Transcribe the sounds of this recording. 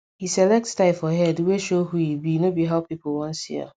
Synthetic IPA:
hisɛlɛk̚tstaɪfɔɦɛdweʃohujilbinobiɦaʊpipl̩wɔ̃nsḭa̰

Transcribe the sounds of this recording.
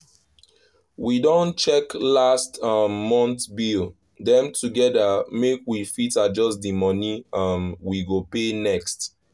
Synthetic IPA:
widõnt͡ʃɛklastʌmːɔ̃ntbil | dɛ̃mtʰuɡɛdəmekwifitad͡ʒɔsdimɔniʌmwiɡopenɛkst

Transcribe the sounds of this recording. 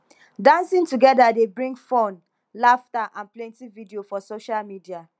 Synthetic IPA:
dãnsĩŋtuɡɛdadebɹĩŋɡfɔ̃n | laftaʔãnplɛ̃ntividiofɔsoʃalmidia

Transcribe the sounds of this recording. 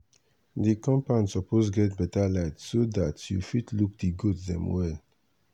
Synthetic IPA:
dikɔ̃mpãnsɔpʰosɡɛt̚bɛtalatsodatʰjṵfitʰluk̚diɡotdɛ̰̃mwɛl

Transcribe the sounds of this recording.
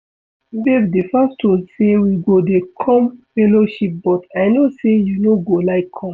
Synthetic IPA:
bevdefastʰosewiɡodekʰɔ̃mfɛloʃip̚bɔtʰaɪnosejunoɡolaɪkʰːɔ̃m

